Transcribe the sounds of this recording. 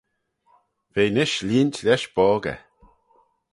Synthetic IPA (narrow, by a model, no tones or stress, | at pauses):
v̥eːnɪʃliːntʰlʲɛʃb̥ɔːɡə̰